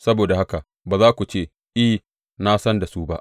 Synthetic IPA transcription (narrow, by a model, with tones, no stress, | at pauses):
sɐ˦boː˨da˨ha˦ka˨ | baː˨zaː˦kʷu˨t͡ʃeː˦˨ | ʔɪ˦ | na˦sɐ˦nda˨suː˦ba̰˦ʔ